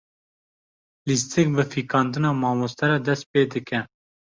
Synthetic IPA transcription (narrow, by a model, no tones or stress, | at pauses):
list̪ʰɨk̚bɨfiːkɑːnd̪ɨnɑːmɑːmost̪ɛɾɛːd̪ɛst̪̚peːd̪ɨkɛ